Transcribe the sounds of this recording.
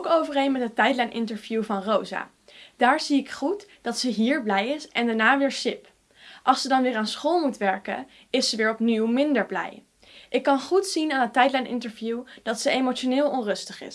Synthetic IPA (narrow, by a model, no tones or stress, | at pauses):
owkowvərejnmɛtɦətɛjdlɛjnʔɪ̰ntəɹvjuvɑnrowza̰ː | d̥aːɹziɪkχutd̥ɑtsəɦiːɹblɛjɪsɛndaːɹnaːʋɪːɹsɪp | ʔɑlˠsədɑnʋɪːɹaːnsχoːlˠmutʋɛɹkə̰ | ɪsəʋɪːɹɔpniwmɪndəɹblɛ̰j | ʔɪkːɑnχutsinaːnɦətːɛjdlɛjnɪ̰ntəɹvjud̥ɑtsəejmot͡ʃonɪːlˠɔnrɵstəχɪ̰s